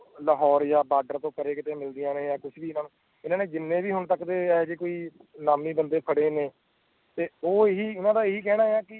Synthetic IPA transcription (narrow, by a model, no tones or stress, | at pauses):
ləɦɔːɾjaːbaːɖəɾt̪õːkəɾeːkɪt̪eːmɪld̪ɪjãːneːjaːkʊt͡ʃʰbiːɪnaːnũː | ɪnãːneːd͡ʒɪnːẽːbiːɦʊɳt̪əkd̪eːɛːd͡ʒeːkoːiːnaːmiːbənd̪eːpʰəɽeːneː | t̪eːoːɪɦiːʊnãːd̪aːeɦiːkɛːɽaːejaːkɪ